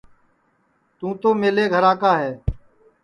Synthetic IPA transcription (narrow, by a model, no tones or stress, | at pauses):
t̪ũːt̪oːmeːleːɡʱəɾaːkaːɦɛː